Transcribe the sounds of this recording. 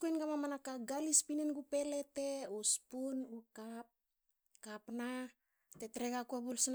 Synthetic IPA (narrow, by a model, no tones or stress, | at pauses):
kuenɡamamanakaɡalispinenɡupe̞le̞te̞ospunukap̚ | kapna | te̞tɾe̞ɡakuabulsn